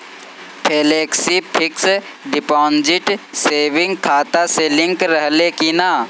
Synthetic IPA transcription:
pʰeːleːksipʰɪks | ɖɪpɔːnd͡ʒɪʈseːʋɪ̃ŋɡkʰaːt̪aselɪ̃ŋkɾəɦlekina

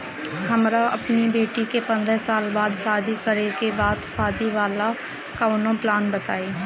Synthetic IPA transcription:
həmɾaʔəpnibeːʈikepə̃nd̪ɾəsaːlbaːd̪saːd̪ikəɾekebaːd̪saːd̪iʋaːla | kaʊnõplaːnbət̪aːeː

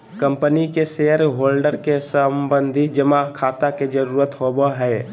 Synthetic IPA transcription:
kə̃mpənikeseːəɾɦoːlɖəɾkesəmbə̃nd̪ʱid͡ʒəmakʰaːt̪aked͡ʒəɾuːɾət̪hoːboɦɛː

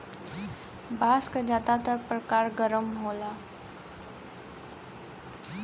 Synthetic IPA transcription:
baːskad͡ʒaːt̪at̪ək̚pɾəkaːɾɡəɾəmɦola

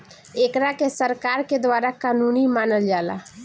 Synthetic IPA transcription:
ekɾakesəɾkaɾked̪ʋaɾakanunimaːnəld͡ʒala̰

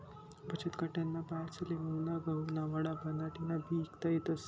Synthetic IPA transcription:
bʱət͡ɕət̪kaʈjanːapaɾt͡səleʋəwnaɡʱəunaʋaɽabʱənaʈinabʱiːkt̪ajet̪əs

